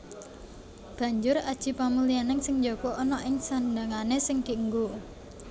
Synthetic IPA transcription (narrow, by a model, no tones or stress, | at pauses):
b̥ä̤ɲd͡ʒʊɾad̥ʒ̥i̤pamulianɪŋsɪŋɲd͡ʒokɔʔːnɔʔɪŋsand̪aŋanesɪŋd̪̥iəŋɡu